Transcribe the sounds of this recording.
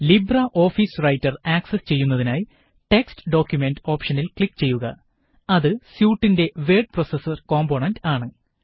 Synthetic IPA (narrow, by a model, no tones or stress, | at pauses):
librɐʔo̞ːfiːsrɐjtːɐraːksest͡ɕe̞jːunːɐðinaːji | ʈe̞kstɨ̥ɖo̞ːkʲjume̞ndo̞ːpʂɐnilkɭlikːt͡ɕe̞jːuɣɐ | ɐðɨsjuːʈːinde̞ʋe̞ːɖ̚pro̞sɐsɐrko̞ːmboɳɐndaːɳɨ